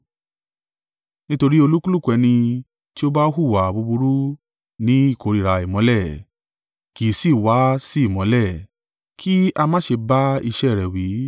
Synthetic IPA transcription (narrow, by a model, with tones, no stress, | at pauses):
nĩ˦to˧ɾi˦o˧lu˦ku˦lu˦˨kʷɛ˨˧nĩ˧ | ti˦o˦ba˦ɦu˦˨wa˨bu˧bu˧ɾu˦ | nĩ˨˦i˦˨ko˨˧ɾi˨ɾa˧i˨mɔ̃˨˦lɛ˦˨ | ki˨si˦˨wa˨˦si˦˨mɔ̃˨˦lɛ˦˨ | kʰi˦a˧mã˦ʃe˧ba˦i˧ʃɛ˦˨ɾɛ˨wi˨˦